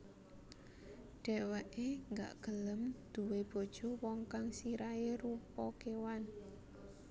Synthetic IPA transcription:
ɖ̥ɛ̤wɛʔeŋɡa̰ʔɡ̥ələmd̪̥ṳweb̥o̤d̥ʒ̥ɔ̤wɔŋkaŋsiɾaerupɔkewan

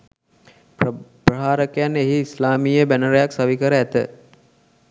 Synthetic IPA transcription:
ppɾəɦaːɾəkejanːeɦiːslaːmiːjəbænəɾəjaksaʋikəɾəæt̪ə

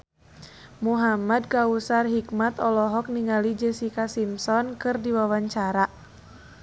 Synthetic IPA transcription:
muɦamad̚kausarɦikmat̪ɔlɔɦɔk̚niŋalid͡ʒesikasimsɔnkɨrdiwawaɲt͡ʃaɾa

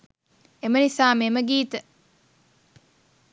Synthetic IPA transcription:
emənisaːmeməɡiːt̪ə

